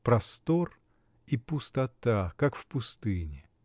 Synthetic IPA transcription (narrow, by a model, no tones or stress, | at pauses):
pɾɐst̪o̞r | ipʊst̪ɐt̪akakfpʊst̪ɨnʲɪ